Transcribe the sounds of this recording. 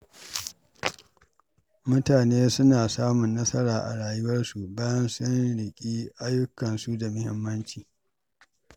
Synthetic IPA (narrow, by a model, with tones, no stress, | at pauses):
mʊ˦taː˨neː˦sʊ˦naː˨saː˦mʊ˨nːɐ˦sɐ˦ɾaː˨ʔa̰˨ɽaː˨jʊ˦wɐ˦rsu˨baː˦jɐ˦nsʊ˦nɽɪ˨kʲʼiː˦ʔa˦jʊ˦kɐ˨nsu˦da˨mʊ˦hɪ̰˦mːɐ˦nt͡ʃiː˨